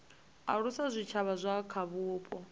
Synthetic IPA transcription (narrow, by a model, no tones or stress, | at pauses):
a̰ɺusazʷit͡ʃʰaβazʷakʰaβuːpʼɔ